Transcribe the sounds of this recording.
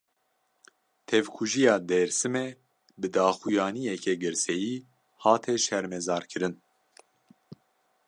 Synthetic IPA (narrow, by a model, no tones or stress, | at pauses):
t̪ʰɛvkʰuʒijɑːd̪ɛɾsɨmɛ | bɨd̪ɑːxujɑːnijɛkɛɡɨɾsɛjiː | hɑːt̪ʰɛʃɛɾmɛzɑːɾkʰɨɾɨn